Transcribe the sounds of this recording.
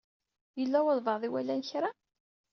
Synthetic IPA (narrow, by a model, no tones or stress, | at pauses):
jəlːæwəlˤvəðˤiwælːænçɾa